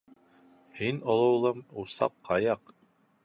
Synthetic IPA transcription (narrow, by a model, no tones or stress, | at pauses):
hinolˠɤ̆wlˠɤmusɑ̰qːɑjɑq